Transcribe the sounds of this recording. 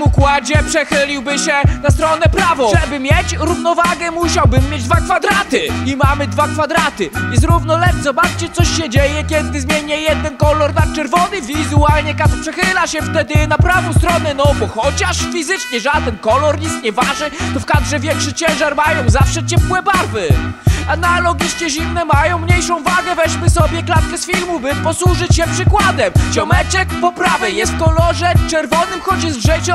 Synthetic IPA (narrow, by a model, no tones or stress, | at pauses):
mukwad͡ʑɛpʂɛxɘlʲiwbɘɕɛnast̪ɾɔnɛpɾavɔʐɛbɘmʲjet͡ɕɾuvnɔvaɡɛmuɕawbɘmːjed͡ʑd̪vakfad̪ɾat̪ɘimamɘd̪vakfad̪ɾat̪ɘɛzɾuvnɔlɛtzɔbat͡ʂt͡ɕɛt̪sɔɕɕɛd͡ʑejɛkʲɛd̪ɘzmʲjeɲɛjɛd̪ɛnkɔlɔɾnat̪̚t͡ʂɛɾvɔnɘvʲizualɲɛkat̪pʂɛxɘlaɕɛft̪ɛd̪ɘnapɾavɔ̃w̃st̪ɾɔnɛnɔbɔxɔt͡ɕaʂfʲizɘt͡ʂɲɛʐad̪ɛnkɔlɔɾɲit̪st̪ɲɛvaʐnɘt̪ɔfkad̪ʐɛvʲjɛŋkʂɘt͡ɕɛ̃w̃ʐaɾmajɔ̃w̃zafʂɛt͡ɕɛpwɛbaɾvɘanalɔɡʲiʂt͡ɕɛʑimnɛmajɔ̃w̃mɲejʂɔ̃w̃vaɡɛvɛɕmɘsɔbʲjɛklat̪kɛsfʲilmubɘpɔswuʐɘt͡ɕɕɛpʂɘkwad̪ɛmt͡ɕɔmɛt͡ɕɛkpɔpɾavɛjɛst̪̚kɔlɔʐɛt͡ʂɛɾvɔnɘmxɔt͡ɕjɛzʐɛt͡ɕɔ